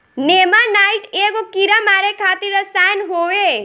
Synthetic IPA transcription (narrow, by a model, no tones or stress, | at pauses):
neːmanaːɪʈeːkokiɾamaːɾekʰaːt̪iɾəsaːnɦoːʋe